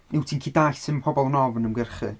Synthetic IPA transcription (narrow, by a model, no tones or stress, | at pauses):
nɪwtʰiːnkʰiːdaɬsɨnpʰɔbɔlˠənɔvnəmɡərχɨ̰